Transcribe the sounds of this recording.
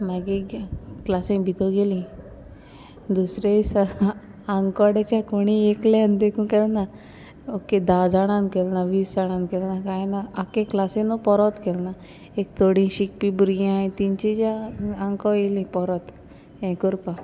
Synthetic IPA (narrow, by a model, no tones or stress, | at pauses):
maɡeklasẽbʱit̪oɡelĩ | d̪usɾeisaː | ŋkɔɽet͡ʃakoɽ̃ĩeklɛnd̪ekʰũkɛlna | okːed̪ad͡zaɽ̃ãnkelnaʋiːsaɽ̃ãnkelnakaenaakẽklasẽnɔpɔɾɔt̪kelna | ekt̪oɽĩʃik̚pibuɾijãĩt̪int͡ʃid͡ʒaãŋkɔelĩpɔɾɔt̪ | ẽkuɾpa